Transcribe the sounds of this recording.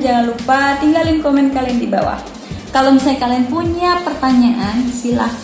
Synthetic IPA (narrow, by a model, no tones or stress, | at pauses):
d͡ʒaŋanlupat̪iŋɡalɪŋkomɛnkaliandiba̰wa̰h | kalomisaakalaɪnpuɲapərt̪aɲaʔansila̰h